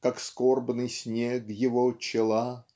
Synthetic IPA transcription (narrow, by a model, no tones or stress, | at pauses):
kakskorbnɨjsʲnʲed̪jɪvot͡ɕɪlˠa